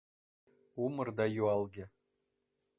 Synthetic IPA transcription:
umɤrd̪ɑjuɑlˠɡʲe

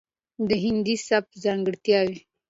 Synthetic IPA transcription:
d̪əɦɪnd̪isap̚zɑŋɡəɽt̪jɑwi

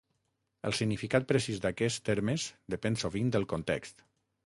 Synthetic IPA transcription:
ə̰lˠsiɡnifikat̪̚pɾəsizd̪akɛst̪eɾmezd̪əpɛnsoβind̪əlˠkont̪ɛ̰kst̪

